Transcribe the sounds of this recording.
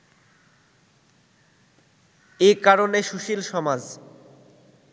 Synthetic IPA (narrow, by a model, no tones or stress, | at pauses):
ekaɾoneʃuʃilʃɔmad͡ʑ